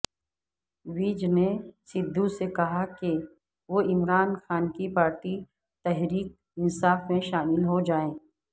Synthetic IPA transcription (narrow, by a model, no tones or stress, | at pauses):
ʋiːd͡ʒnesɪd̪ʱːũsekɐɦake | ʋoɪmɾaːnxaːnkipaːɾʈi | t̪ɛɦɾiːk̚ | ɪnsaːfmẽʃaːmɪlɦod͡ʒaːẽː